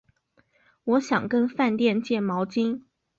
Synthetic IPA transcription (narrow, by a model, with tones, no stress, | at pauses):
wɔ˧˥ɕjɑ˨˩ŋkə˥nfa˥˧nt̪jɛ˥˧nt͡ɕjɛ˥˩mɑ˧˥ʊt͡ɕi˥ŋ